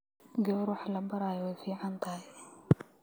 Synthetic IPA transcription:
ɡɛɾwɑħlɐbɐɾaːjɔwɛjfiːʕant̪ʰaɦɛ

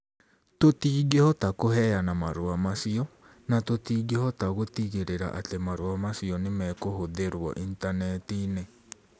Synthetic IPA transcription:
totiːɣehɔtakoɦɛjanamaɾoamasiɔ | natotiːɡehɔtaɣotiɣeɾeɾa̰ʔa̰temaɾwamasiɔnemɛkohoðeɾwɔ̰ʔintanɛtine

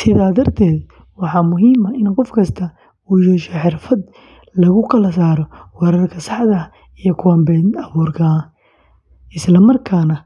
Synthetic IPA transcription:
sɪðaːd̪ɐrt̪ʰɛːd̪ | wɑħɑːmʊɦiːmɐɪnqɔfkʰɐst̪ʰɐ | uːjɛːʃɔħɪrfɐd̪ | lɐɣʊkʰɐlɐs̬aːɾɔwɑɾɐrkʰɐsɑħðɐ | ijɔkʰʊwɐmbɛːnɐβuːrkʰɐ | ɪslɐmɐrkʰaːnɐ

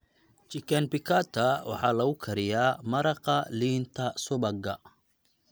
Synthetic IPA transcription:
t͡ʃɪkʰɐnbɪkʰat̪ʰːɐwʔɑ̰ħɑːlɐɣʊkʰɐɾɪjaːmɐɾɑqɑliːnt̪ʰɐsʊβɐɡɐ

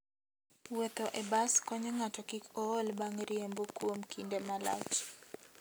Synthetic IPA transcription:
wet̪ɔʔebaskɔɲɔŋatɔkikʰɔolbaŋɾiembokwomkʰindemala̰t͡ʃ

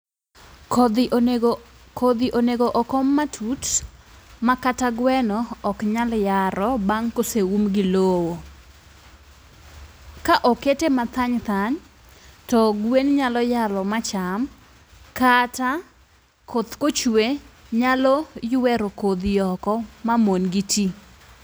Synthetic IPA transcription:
kʰod̪iʔoneɡoʔɔkɔmːatʰut | makataɡwɛnɔːkɲaljaɾɔbaŋkosewumɡɪlowo | kaʔoketemat̪aɲt̪aɲ | tɔɡwenɲalɔjalɔmat͡ʃam | kata | kʰot̪kot͡ʃwweɲalɔjwɛɾokod̪ijɔkɔmamonɡitʰi

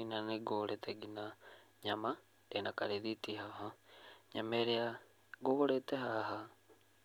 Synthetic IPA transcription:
inaneɡoɾɛteɡina | ɲama | enakaɾeðitihaɦaɲameɾea | ɡoβoɾɛteɦaɦa

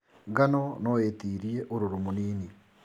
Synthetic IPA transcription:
ŋɡanɔnɔetiːɾiɛʔoɾoɾomoniːni

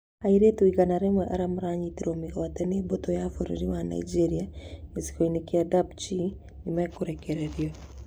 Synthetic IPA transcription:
aiɾetuiɣanaɾemwɛʔaɾamuɾaːɲiːtiɾomiɣoatɛneːbotojafoɾo̰ɾiwana̰id͡ʒeɾiaezi̥koinekeaðabt͡ʃi | nimakoɾekeɾeɾjo

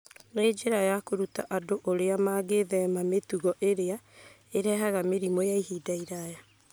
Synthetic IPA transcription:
ned͡ʒeɾajakoɾuta̰ʔadoʔoɾeamaːɡeðɛmametuɣɔʔeɾea | eɾɛɦaɣameɾimɔjaiɦiːdaiɾaja

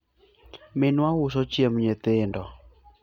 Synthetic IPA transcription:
mɪnwawʊsɔt͡ʃjemɲet̪ɪndɔ

